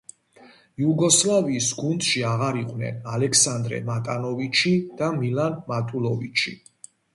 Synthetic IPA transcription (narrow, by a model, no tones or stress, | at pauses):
juɡɔslaviːsɡund̪ʃiaʁaɾiqʼvnɛ̰nalɛkʰsand̪ɾɛ̰mat̪ʼanɔvit͡ʃʰid̪̥amilanmat̪ʼulɔvit͡ʃʰi